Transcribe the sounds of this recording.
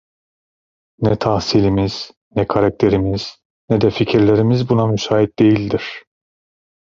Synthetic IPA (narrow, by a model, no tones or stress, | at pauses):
nɛt̪ʰahsilʲimiz̥ | nɛkʰaɾak̚t̪ʰe̞ɾimiz̥ | nɛd̪ɛficʰiɾlʲe̞ɾimizbunamysaːɦit̪̚d̪e̞jilʲd̪iɾ̥